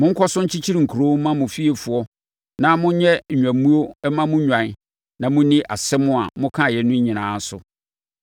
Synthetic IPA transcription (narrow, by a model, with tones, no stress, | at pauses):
mʊ̃˦ŋ̩˦kʰɔ˦sʊ̃˦ɲ̩˦t͡ɕʰi˦t͡ɕʰi˦ɾi˨ŋ̩˨kʰu˨ɾo˦mã˦mʊ̃˨fi˦e˨fʊ˨ɔ˦ | nã˦mʊ̃˦ɲɛ˦˨ɲᶣ˨ã˨m˦mũ˦o˦ɛ˦mã˦mʊ̃˦ɲᶣã˨n˦ | nã˨mʊ̃˦nɪ̃˦ʔa̰˨sɛ˦mʊ̃˦a˨mʊ̃˦kʰã˦˨jɛ˨˦nʊ̃˦ɲĩ˨nãː˨˦sʊ̰˨